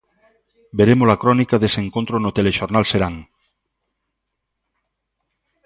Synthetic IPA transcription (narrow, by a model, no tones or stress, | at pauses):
beɾemolakɾɔnikaðeseŋkont̪ɾonot̪eleʃoɾnalseɾaŋ